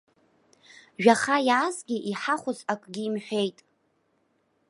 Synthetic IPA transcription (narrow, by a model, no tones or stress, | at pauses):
ʒᶣaχajaazɡʲiʔiħaχʷʊzakʼɡʲiːmħʷᶣe̞jtʼ